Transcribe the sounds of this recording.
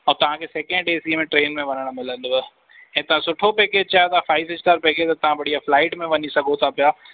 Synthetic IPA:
ɔ̃ːt̪ɐʋ̤ãkʰeːseːkɛ̃ɳɖeːsimẽʈɾeːnmẽʋɐnəɽ̃mɪlə̃nd̪ə | ɛ̃ːt̪ɐʋ̤ãsʊʈʰopɛːkeːd͡ʑt͡ɕaːjot̪ɐʋãfaːɪʋɦɪsʈaːɾpɛːkeːd͡ʑt̪ɐt̪ɐʋ̤ãbɐɽ̤ijaflaːɪʈmẽʋɐɲisɐɡʱot̪ʰapijaː

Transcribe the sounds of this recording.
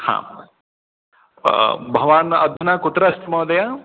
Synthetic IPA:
hã̰ | bʱɐʋaːnɐd̪ʱunaːkut̪ɾɐst̪mɐd̪ɐja

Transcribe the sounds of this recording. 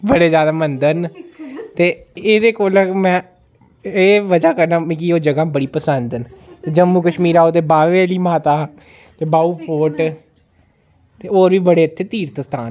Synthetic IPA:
bəɽeːzjaːd̪aːmənd̪ənt̪eːeːd̪eːkoːlmɛ̃ː | eːʋəd͡ʒaːkəɾnaːmĩkioːd͡ʒəɡãːbəɽiːpəsənd̪nt̪ed͡ʒəmːuːkəʃmiːɾaːoːt̪eːbaːʋeːliːmaːt̪aː | t̪eːbaːuːpʰoːʈ | t̪eːoːɾʋiːbəɽeːət̪ʰːeːt̪iːɾt̪əst̪ʰaːn

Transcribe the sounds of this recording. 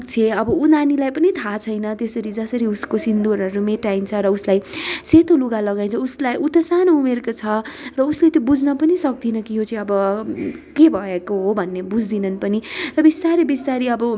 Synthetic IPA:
kt͡sʰeʌbʌunanilajpʌnit̪ʰat͡sʰʌjnʌt̪esʌɾid͡zʌsʌɾiuskosind̪oɾʌɾumeʈajnt͡sʰʌɾʌuslajset̪ʰoluɡalʌɡaj̃nt͡sʰʌuslajʔut̪ʌsanoumerkot͡sʰʌrʌuslet̪jobud͡znʌpʌnisʌk̚d̪inʌkiɦot͡sʌĩʌbʌ | kebʱʌekoɦobʱʌnːebud͡zd̪inʌnpʌnirʌbist̪aɾibist̪aɾiʌbʌ

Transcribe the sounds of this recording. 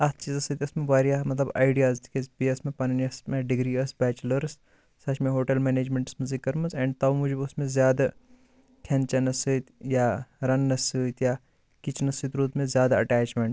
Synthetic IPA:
ɐt̪ʰt͡ʃiːzɐsɨt̪ʲɐsmẽʋaːɾijamɐt̪lɐba̰ːɪɖijaːzd̪ikezbiɐsmẽpɐnɐniɐsmeɖɪɡɾiːɐsbɛːt͡ʃlɐɾs | sɐʃmẽɦoːʈɐlmeːneːd͡ʒmẽɳʈsmɐzikːɐɾmɐzɛɳɖt̪ɐwmud͡ʒbʊsmẽzjaːd̪a | kʰent͡ʃɐnɐsɨt̪jaɾɐnːɐsɨt̪jaː | kit͡ʃnɐsɨt̪ɾuːt̪mẽzjaːd̪aɐʈæːt͡ʃmeɳʈ

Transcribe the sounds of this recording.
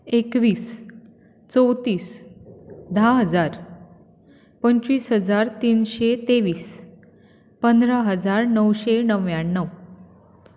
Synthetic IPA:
ekʋiːs | t͡sowt̪iːs | d̪ʱaɦəd͡zaɾ | pəɲt͡ɕiːsɦəd͡zaɾt̪iːnɕet̪eʋiːs | pənd̪ɾəɦəd͡zaɾnəwɕenəʋjaɳːəw

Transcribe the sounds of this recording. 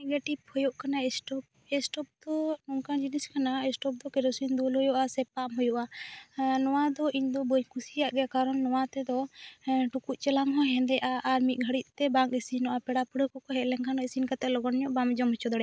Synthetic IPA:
nɛɡeʈibhɔjɔʔkanaɛsʈɔp̚ | ɛsʈɔp̚d̪ɔnɔŋkad͡ʒiniskanaɛsʈɔp̚d̪ɔkɛɾɔsiɲd̪ulɦɔjɔʔasɛpamɦɔjɔʔa | nɔwad̪ɔiɲd̪ɔbəɲkʰusijaʔɡɛkaɾɔnːɔwat̪ɛd̪ɔʈukuʔ̚t͡ʃɛlaŋɦɔ̃ɦɛ̃nd̪ɛʔaʔːɾmit̪̚ˀɡʱəɽit̪̚t̪ɛbaŋkisinɔʔapɛɽapuɽəkɔkɔɦɛlɛŋkʰanɔisinkat̪ɛlɔɡɔnɲɔʔbamd͡ʒɔmɦɛt͡ʃɔd̪ɔɽɛa

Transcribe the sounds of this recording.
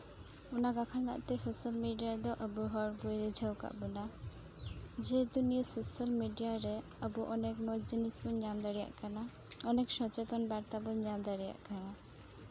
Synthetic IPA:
ɔnakakʰanla̰ʔt̪ɛsosəlmiɖijad̪ɔʔəbuɦɔɾɡuɾɛd͡ʒʱawka̰ʔbɔna | d͡ʒed̪unijɔsosəlmiɖijaɾɛ | əbuʔɔnekmɔd͡ʒinisbɔɲand̪aɽija̰ʔkana | ɔnekʃɔt͡ʃet̪ɔnbaɾt̪abɔɲand̪aɽija̰ʔkana

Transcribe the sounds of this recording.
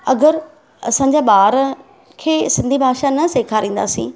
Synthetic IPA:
ɐɡəɾ | ɐ̰sãːɲ̆d͡ʑaːɓaːɾ | kʰeːsɪ̃nd̪ʱibʱaːʃanɐseːkʰaɾĩːn̆d̪a̰ːsḭ̃ː

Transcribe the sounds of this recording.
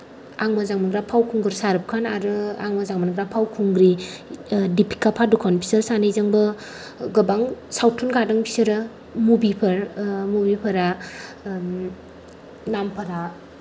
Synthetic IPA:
aŋmazaŋmaɡɾapʰawkʰuŋɡɯɾsaɾɯp̚kʰanaɾɯaŋmazaŋmanɡɾapʰawkʰuŋɡɾi | dipʰi̥kːapʰadukʰanpʰi̥sɯɾsanejzaŋbɯ | ɡɯbaŋsawtʰunɡadɯŋpʰi̥sɯɾɯ | mubipʰɐɾmubipʰaɾa | nampʰaɾa

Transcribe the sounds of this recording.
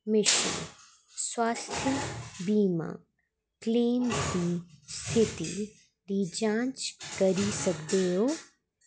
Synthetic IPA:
mɪʃḛ | swaːst̪ʰjəbiːmã̰ | kleːmkist̪ʰɪt̪i | ɾid͡ʒãːt͡ʃkəɾisɐkd̪eːɦoː

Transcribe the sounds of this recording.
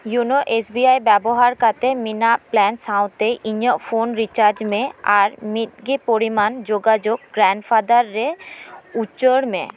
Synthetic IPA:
junoʔesbiajbɛboɦaɾkat̪eminaplɛnsaw̃t̪eʔiɲoʔfonɾit͡ɕaɾd͡ʑmẽaɾmit̪̚ɡipoɾimand͡ʑoɡad͡ʑoɡɡɾaɳɖfad̪aɾːeutːɕoɽmḛ̃

